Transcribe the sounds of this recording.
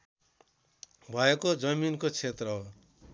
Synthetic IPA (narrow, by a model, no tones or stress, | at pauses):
bʱʌekod͡zʌminkot͡sʰet̪rʌɦo